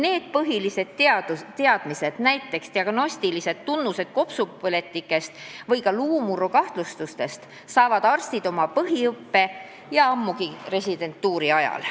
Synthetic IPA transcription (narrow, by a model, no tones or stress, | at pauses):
ne̞ːd̪̥̚pɤɦilise̞d̪̥t̪ɑd̪t̪eɑd̪̥mise̞d̪̥næjt̪ːˑe̞kst̪iɑɡ̥no̞sʲt̪ilise̞d̪̥t̪ːunːuse̞d̪̥̚ko̞psupele̞t̪ːˑikːˑe̞st̪vɤjkɑluːmuɾokɑht̪lust̪ust̪e̞st̪ | sɑːvɑd̪ɑrst̪id̪̥o̞mɑpɤɦiɤpːe̞ | jɑɑmːuɡ̥ire̞sʲid̪e̞nt̪ːuːɾiɑjɑ̰l